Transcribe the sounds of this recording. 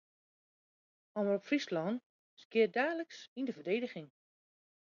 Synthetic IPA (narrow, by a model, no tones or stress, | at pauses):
ɔmərɔpfrislɔn | skɪədaːləksindəvərdeːdəxɪŋ